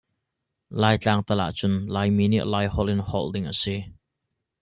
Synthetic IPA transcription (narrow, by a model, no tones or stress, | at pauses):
laːjt͡ɬaːŋt̪ɐla̰ʔt͡sʊnlajmiːniʔlajhɔlɪnhɔ̰ldɪŋʔəsi